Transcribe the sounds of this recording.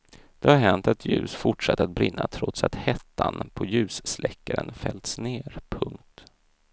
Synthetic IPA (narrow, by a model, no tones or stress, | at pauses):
d̪̥ɛhaɾɦɛnt̪at̪ʰjʉ̟ːsfʊʈʂat̪ːat̪̚bɾɪnːat̪ʰɾɔt̪sat̪hɛt̪ʰːanpʰɔjʉ̟ːsslɛkːaɾənfɛlt̪sneːɾpʰɵŋkt̪